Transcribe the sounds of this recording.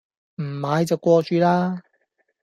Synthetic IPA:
m̩˨˩maː˨˧jt͡sɐ˨˩wkʷɔː˧t͡ʃyː˨˧laː˥

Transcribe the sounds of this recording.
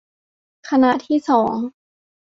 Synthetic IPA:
kʰa˧na˧ʔt̪ʰiː˥˩sɔː˩˦ŋ

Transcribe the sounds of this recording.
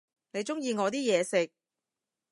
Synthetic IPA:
ne˨˧jt͡ʃʊ˥ŋjiː˧ŋɔː˨˧t̪iː˥jɛː˨˧sɪ˨k̚

